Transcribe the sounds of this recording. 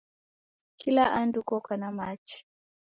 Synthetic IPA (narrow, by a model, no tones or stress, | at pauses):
kʰilaʔandukɔkanamat͡ʃi̥